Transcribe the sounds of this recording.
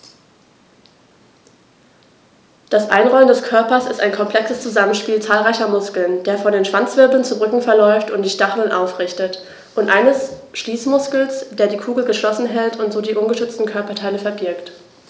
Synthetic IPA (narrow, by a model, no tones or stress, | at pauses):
d̥asʔa̰ɪnʁɔləndɛskʰœɐpɐsɪstaɪnkʰɔmpl̥ɛksəst͡suzamən̩ʃpiːlt͡saːlʁaɪçɐmʊskl̩nd̥eːɐfɔndeːnʃv̥ant͡sv̥ɪɐbl̩nt͡suʁʏkŋ̩fɛɐlɔʏftʊntd̥iːʃtaχələnʔaʊfʁ̥ɪçtət | ʔʊntʔaɪnəsʃliːsmʊskl̩sd̥eːɐdiːkʰuːɡl̩ɡəʃlɔsn̩ɦɛltʰʊntz̥oːdiːʔʊnɡəʃʏt͡stn̩kʰœɐpɐtʰaɪləfɛɐbɪɐkt